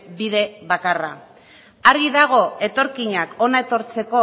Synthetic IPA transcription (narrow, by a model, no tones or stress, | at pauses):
biðe̞βakara | aɾɣiðaɣ̞o̞e̞t̪o̞ɾkiɲako̞naet̪o̞ɾt͡se̞ko̞